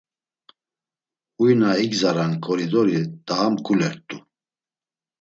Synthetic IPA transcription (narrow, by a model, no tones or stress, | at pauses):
ujnaiɡzaɾankʼɔɾid̪ɔɾid̪aːmkʰʼulɛɾt̪ʼu